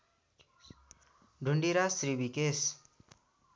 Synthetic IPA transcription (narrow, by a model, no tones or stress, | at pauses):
ɖʱuɳɖiɾasɾibikes